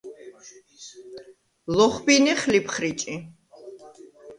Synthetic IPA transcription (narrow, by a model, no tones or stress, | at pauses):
lɔχbiniχlipʰχɾit͡ʃʼi